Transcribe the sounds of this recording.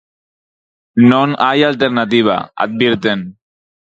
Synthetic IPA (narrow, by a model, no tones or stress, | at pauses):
nonajalt̪eɾnat̪̬iβa̰a̰t̪̚biɾt̪en